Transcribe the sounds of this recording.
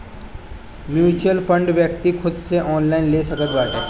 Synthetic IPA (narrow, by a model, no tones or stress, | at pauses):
mjuːt͡ʃəlpʰə̃ɳɖʋjəkt̪ikʰʊd̪seʔɔːnlaːɪnleːsɐkət̪baːɦe